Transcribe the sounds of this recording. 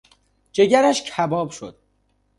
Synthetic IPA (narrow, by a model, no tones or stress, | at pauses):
d͡ʒe̞ɟæɾæʃcʰæbɒːbʃo̞̰d̪̥